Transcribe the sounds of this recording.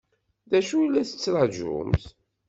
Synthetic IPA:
ðæʃuilːæθə̥t͡sːɾˤɑʒʊ̰mθ

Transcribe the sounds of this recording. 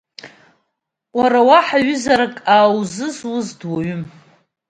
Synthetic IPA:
waɾawaħaɥʏzaɾakʼaːwzɨzwʊzdwaɥʊm

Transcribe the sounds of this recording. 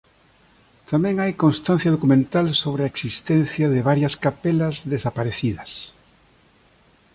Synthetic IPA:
t̪amẽŋajkõŋst̪ãn̟θjɐð̞okumẽnt̪alsoβɾɪaeksist̪ɛ̃n̟θjɐðɪβaɾjɐskapelɐzðesapaɾeθiðɐs

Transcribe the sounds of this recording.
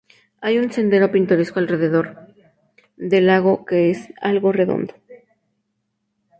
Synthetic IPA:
ajunse̞nd̪e̞ɾo̞pint̪o̞ɾe̞skoalre̞ðe̞ðo̞ɾ | ðe̞laɣ̞o̞ke̞esalɣo̞re̞ðo̞̰nd̪o

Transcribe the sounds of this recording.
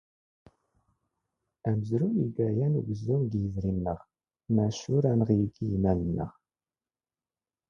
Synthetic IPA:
æməzɾujiɡæjænṵɡəzːumɡjəzɾimːəʁ | mæʃʊɾænəʁiɡijmælənːə̰ʁ

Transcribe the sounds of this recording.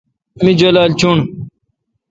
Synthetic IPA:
mĩd͡ʑolaːlt͡ɕʰuɳ

